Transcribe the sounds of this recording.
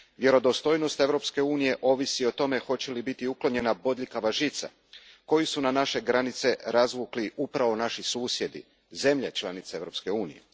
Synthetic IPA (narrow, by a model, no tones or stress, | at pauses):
ʋje̞ɾo̞d̪o̞st̪o̞jno̞st̪e̞ʋɾo̞pske̞uːnije̞ʔo̞ʋisio̞t̪o̞me̞xo̞t͡ɕe̞libit̪iuklo̞ɲe̞nabo̞d̪ʎikaʋaʒit̪sa̰ | ko̞jisunanaʃe̞ɡɾanit̪se̞ɾazʋukliʔupɾaʋo̞naʃisuːsje̞d̪ḭ | ze̞mʎet͡ʃlˠanit̪see̞ʋɾo̞pske̞uːnḭjḛ